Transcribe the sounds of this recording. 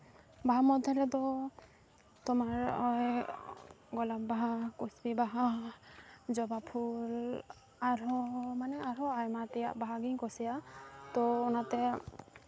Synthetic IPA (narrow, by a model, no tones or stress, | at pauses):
baamɔdʱɛlɛtɔ | tɔmaɹɔj | ɡɔlapbaɦakusbibaɦa | zɔbapʰul | aɹɔmanɛaɹɔajmatija̰ʔbaɦaɡiŋkɔsijatɔːnatɛ